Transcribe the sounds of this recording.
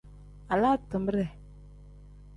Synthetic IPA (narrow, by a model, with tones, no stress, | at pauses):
a˨la˦tɨ˨m˦bə˦ɾɛ˨